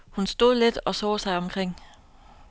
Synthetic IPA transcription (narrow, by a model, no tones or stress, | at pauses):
hunsd̥o̝ð̞̰ˠled̥ɒ̽sɔ̰ːsɑ̈ɪɒ̽mkʰʁeŋ̰